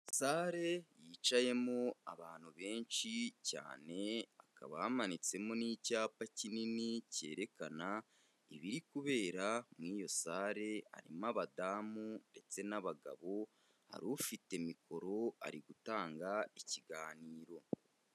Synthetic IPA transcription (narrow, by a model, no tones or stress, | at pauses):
saːɾe̞jiːt͡ʃaje̞moaβaːn̥huβe̞ːnʃica̰ːne̞aka̰βaamanit͡se̞moniːcaːpacininice̞̰ːɾe̞kana | iβiɾikuβe̞ːɾamŋiːjo̞saːɾe̞ha̰ɾḭmaβadaːmunde̞t͡se̞naβaɡa̰βo̞ | ha̰ɾufite̞miko̞ɾo̞a̰ɾiɡutaːŋɡaiciɡaːniːɾo̞